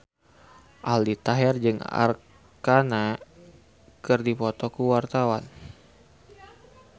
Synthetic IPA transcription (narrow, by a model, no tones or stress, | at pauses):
ʔaldit̪aɦɛrd͡ʒɨŋa̰r | kana | kɨrdipɔt̪ɔkuwart̪awan